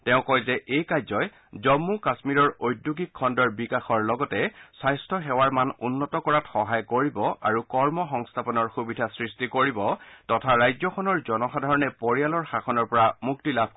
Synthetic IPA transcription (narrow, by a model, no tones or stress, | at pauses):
tɛʊ̃kɔjzɛʔejkajzɔj | zɔmːukasmiɹɔɹojdːuɡikʰːɔndɔɹbikaxɔɹlɔɡɔtɛsajstʰɔɦɛwaɹmanunːɔtɔkɔɹatxɔɦajkoɹibɔʔaɹukɔɹmɔxɔŋstʰapɔnɔɹxubidʱasɹistikoɹibɔtɔtʰaɹajzɔkʰɔnɔɹzɔnɔxadʱaɹɔnɛpoɹijalɔɹxakʰɔnɔɹpɔɹamuk̚tilab̚ʱ